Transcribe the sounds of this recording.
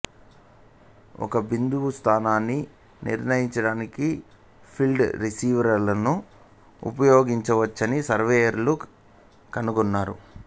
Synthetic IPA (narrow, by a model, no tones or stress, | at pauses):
ɔ̰kɐbind̪uʋust̪ʰaːnaːnːi | nʔḭɾnɐjiɲt͡ʃɐɽaːniki | pʰilɖɾisiːʋɐɾɐɾlɐnu | ṵpɐjoːɡiɲt͡ʃɐʋɐt͡ʃːɐnisɐɾʋeːjɐɾlu | kɐnuɡunːaːɾṵ